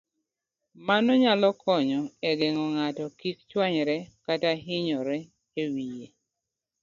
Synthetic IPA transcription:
manɔɲalɔkʰɔɲɔɛɡɛŋɔŋatɔkikt͡ʃwaɲɾɛkataɦɪɲɔɾɛ | ewije

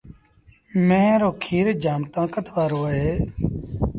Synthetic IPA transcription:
mẽːɾoːkʰiːɾd͡ʒaːmt̪ãːkət̪ʰʋaːɾoːəɦeː

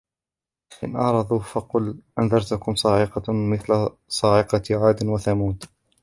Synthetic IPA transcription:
ʔɪ̰nʔɑʕɾˤɑðˤuːfɑqʊlʔanðɑɾˤt̪ʊkʊmsˤɑːʕɪqɑmɪθla | sˤɑːʕɪqɑʕaːd̪ɪnwaθamuːd̪

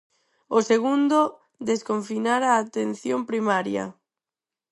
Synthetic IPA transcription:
oseɣund̪o | d̪eskoɱfinaɾaːt̪en̟θjompɾimaɾja̰

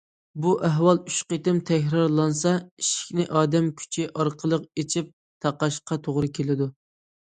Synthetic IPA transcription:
buʔæɦwɑlˠyʃqet̪ɪmt̪ʰɛkʲɾɑɾlˠɑnsɑiʃi̥kʲnɪʔɑːd̪ɛmkʲʰy̥t͡ʃʰiʔɑɾqʰəlˠəqet͡ʃʰip̚ | t̪ʰɑqːɑʃqɑt̪ʰoʁɾɨkʲʰelɪd̪u

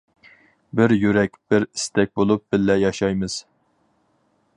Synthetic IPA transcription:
bɪɾjyɾɛkʲb̥ɪɾɪst̪ɛk̚ʲbolˠup̚b̥ɪlːɛjɑʃɑjmɨz̥

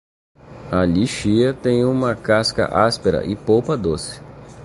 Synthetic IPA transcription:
aʎiʃiɐt̪ẽj̃ũmɐkaskɐ̰ʔaspeɾɐ̰ʔɪpowpɐd̪osɪ̥

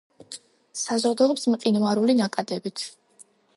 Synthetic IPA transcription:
sazɔd̪ɔɔpsmqʼinvaɾulinakʼad̪ɛbit̪ʰ

